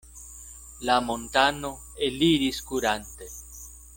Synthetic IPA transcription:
lamont̪ano | eliɾiskuɾant̪e

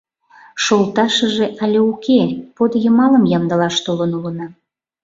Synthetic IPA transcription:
ʃolˠt̪ɑʃəʒeʔɑlʲeukʰepod̪jəmɑləmjɑmd̪əlɑʃt̪olənulənɑ

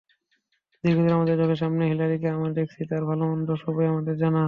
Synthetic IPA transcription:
d̪iɡʱod̪eɾamad̪eɾd͡ʑɔɡeɾʃ̬amneɦilaɾikeamaɾd̪eksʰit̪aɾbʱaloɔnd̪ɔʃɔbɔjamaɖ̪eɾd͡ʑana

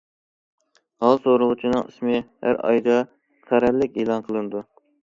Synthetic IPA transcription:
hɑlˠsoɾʊʁʊt͡ʃʰinɨŋḭsmɨhæ̰ɾɑ̰jd̪ɑ | qʰæɾɛlːɪkʲeːlˠɑnqʰəlˠɨnɨd̪u

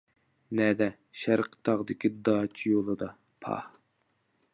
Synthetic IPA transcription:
nɛd̪ɛ | ʃæɾqʰə̥t̪ʰɑʁd̪ɪkʲʰid̪ɑːt͡ʃʰijolˠɨd̪ɑ | pʰɑ̰h

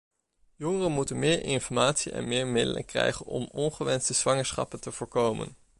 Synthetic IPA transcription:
jɔŋərənmutənmɪːɹʔɪnfɔɹmaːtsiʔɛ̰nmɪːɹmɪdə̰lə̰krɛ̰jχənɔ̰mɔnχəʋɛnstəz̥ʋɑŋəɹsχɑ̰pəntəv̥ʊːɹkowmə̰n

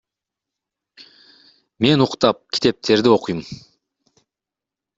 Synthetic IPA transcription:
me̞nuqt̪ɑp̚kʲʰi̥t̪e̞p̚t̪ʰe̞ɾd̪io̞qujum

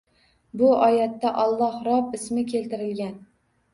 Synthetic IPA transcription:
bʊɒjat̪ːaʔɒlˠːɒhɾɒpɪsmɪkʲʰelt̪ɪɾɪlɡʲan

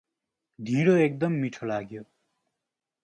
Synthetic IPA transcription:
d̪ʱĩɾoek̚d̪ʌmːiʈʰolaɡjo

